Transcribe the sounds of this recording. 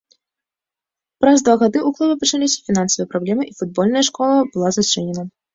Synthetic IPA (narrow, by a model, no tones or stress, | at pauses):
pɾazd̪vaɣad̪ɨuklˠubʲɐpɐt͡ʂalʲisʲɐ̥fʲinansɐvɨjɛpɾablʲɛmɨʔifud̪̚bɔlʲnɐjɐʂkɔlˠɐbɨlˠazat͡ʂɛnʲɛnɐ